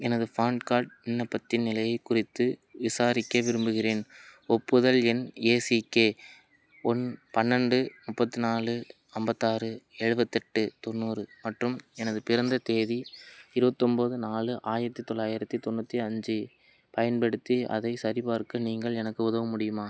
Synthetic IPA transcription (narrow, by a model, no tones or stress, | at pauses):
ɛnɐðɯfaːɳɖkaːɾʈ̚ɪnːɐpːɐt̪ːɪnnɪlɐjɐɪkːʊrɪt̪ːɯʋɪsaːɾɪkːɐʋɪɾɯmbɯɣɪreːnɔpːɯðɐlɛneːsikeː | ɔnpɐnːɐɳɖɯmʊpːɐt̪ːɯnaːlɯ | ɐmbɐt̪ːaːrɯɛɻɯbɐt̪ːɛʈːɯt̪ɔnːuːɾɯmɐʈrɯmɛnɐðɯpɪɾɐnd̪ɐt̪eːðiɪɾɯbɐt̪ːɔmboːðɯnaːlɯʔaːjɪɾɐt̪ːit̪ːɔɭːaːjɪɾɐt̪ːit̪ɔnːɐt̪ːiɐɲd͡ʒɯ | pɐjɐnpɛɽɯt̪ːiɐ̰ðɐɪsɐɾɪpaːɾkːɯniːŋɡɐɭɛnɐkːɯʊðɐʋɐmʊɽɪjɯmaː